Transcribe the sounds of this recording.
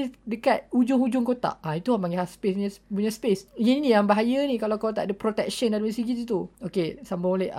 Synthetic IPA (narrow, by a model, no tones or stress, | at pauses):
idəkat̪̚ud͡ʒʊŋud͡ʒʊŋkot̪a̰ʔait̪uhamaŋɡeɦaspesuɲəpuɲəspesɲininijaŋbaɦajənĩkalakot̪a̰ʔdəpɾot̪ɛk̚ʃəndadumisiɡit̪ut̪̬uokesambaolɛ